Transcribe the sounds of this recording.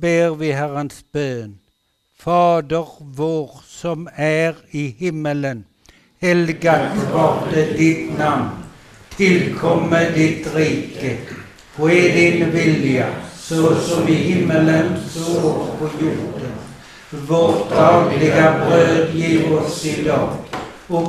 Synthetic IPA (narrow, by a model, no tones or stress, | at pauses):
beːʁʋɪɦæʁənsb̥øːn | fɑːd̪əʁʋoːʁsɔmæʁɪhɪmːələn | hɛlɡat̪ʰʋɑt̪əd̪ɪt̪namn | t̪ʰɪlkʰɔmːəd̪ɪt̪ɾiːkə | fɔɛd̪ɪnvɪljasosɔmɪhɪmːələnsoːɔppʰɔjʊɾd̪ən | voːʁd̪ɑːɡlɪɡabɾøːd̪jiːʁɔsɪd̪ɑːɡ | ɔ